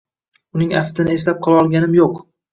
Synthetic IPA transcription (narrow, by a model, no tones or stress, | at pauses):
ʊnɪŋa̰ft̪ʰɪnɪe̞s̬lap̚qʰɒlaɒlˠɡʲanɪmjoq